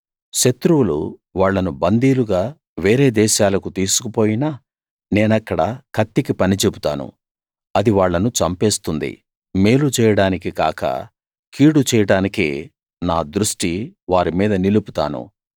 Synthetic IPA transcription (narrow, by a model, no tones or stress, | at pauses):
ʃɐt̪ɾuwulṵʋaːɭːɐnubɐnd̪iːluɡaː | ʋeːɾe̞ːd̪ɛːʃaːlɐkut̪iːsu̥kupo̞ːjinɐ | neːnɐkːɐɽɐkʰɐt̪ːikipɐnit͡ʃebut̪a̰ːnṵ | ɐd̪iʋaːɭːɐnut͡ʃɐmpeːst̪und̪ḭ | meːlut͡ʃɛːjɐɽaːnikikaːkɐ̰ | kiːɽut͡ʃɛːjɐɽaːnikeː | naːd̪ɾuʂʈiʋaːɾimiːd̪ɐniluput̪a̰ːnṵ